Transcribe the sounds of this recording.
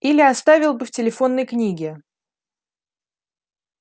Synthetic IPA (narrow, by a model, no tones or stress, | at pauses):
ilʲɪast̪avʲɪlˠbɨftʲɪlʲɪfo̞nːəjknʲiɡʲɪ